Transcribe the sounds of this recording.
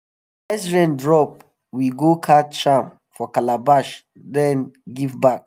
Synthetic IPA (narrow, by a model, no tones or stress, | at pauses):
ɛsɹɛ̃ndɹɔp̚ | wiɡokʰatt͡ʃãm | fɔkalabaʃ | dɛ̃nɡivbak̚